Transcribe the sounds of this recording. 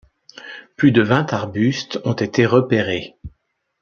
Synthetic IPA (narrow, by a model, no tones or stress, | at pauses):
plyd̪əvɛ̃t̪aʁbyst̪ɔ̃t̪et̪eʁəpeʁe